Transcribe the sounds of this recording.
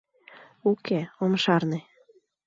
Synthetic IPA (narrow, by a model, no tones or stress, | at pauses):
ukʰeomʃɑrne